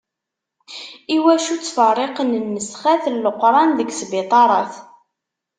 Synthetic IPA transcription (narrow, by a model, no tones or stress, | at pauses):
iwæʃut͡sːfərˤːeqənənːəsχæθəlːəqɾˤɑnðəɡsbɪt̪ˤɑɾˤɑθ